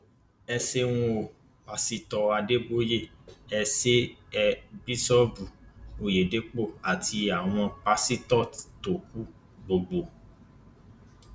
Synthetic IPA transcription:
ɛ˧se˦w̃ũ˦˧o˨ | k͡pa˧si˦tɔ˧a˧de˦bo˦je˦˨ɛ˧se˦ɛ˧bi˦sɔ˦bu˨o˨je˨de˨˦k͡po˦˨a˨tʰi˧a˨w̃ɔ̃˧k͡pa˧si˦tɔ˦˨to˨k̚u˨˦ | ɡ͡bo˨ɡ͡bo˨

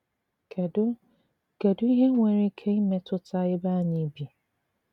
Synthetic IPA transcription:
kʰɛ˨dʊ˦ | ɡ̥ɛ˨dʊ˦i˦ɦɛ˦ŋʷɛ̃˦ɾi˦kʰe˦jmɛ̃˨tʰʊ˦tʰa˦jɛ˦baː˦nĩ˦bi˨

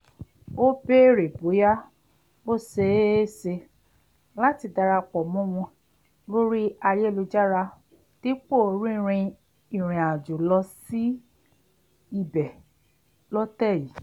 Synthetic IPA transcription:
o˦be˦ɾe˨bo˨˦ja˦ | bo˦˨se˧˦˨se˧ | la˦ti˧da˧ɾa˧k͡pɔ˨mɔ̃˦w̃ɔ̃˧ | lo˦ɾi˦a˧je˦˨lu˧d͡ʒa˦ɾa˧ | ti˦k͡po˦˨˦ɾĩ˦˧ɾ̃ĩ˧ | i˨ɾ̃ĩ˨a˨d͡ʒu˨lɔ˧si˦ | i˦˨bɛ˨ | lɔ˦tɛ˦˨ji˨˦

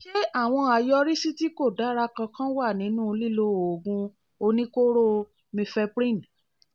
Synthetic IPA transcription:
ʃe˦a˦˨w̃ɔ̃˧a˨jɔ˧ɾi˦si˦ti˦ko˦˨da˨˦ɾa˧kã˧kã˦wa˦˨nĩ˨˦nũ˦˧li˦˨lo˦o˨ɡũ˧ | o˧nĩ˦ko˦ɾo˦ | mĩ˧fɛ˧pɾĩ˦˨n

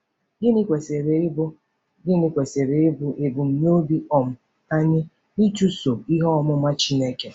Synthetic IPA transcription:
ɡɪ˦nɪ˦kʷe˨se˨ɾe˨˦bʊ˦ | ɡɪ˦nɪ˦kʷe˨se˨ɾe˨e˦bu˨ʔe˨bu˨m̩˨ɲ˦o˦bi˦ɔ˨m̩˨ | a˦ɲɪ˦ | ni˦t͡ʃu˦so˨i˦ɦɔ˦ɔ˦mʊ˦ma˦t͡ʃi˦ne˦ke˦

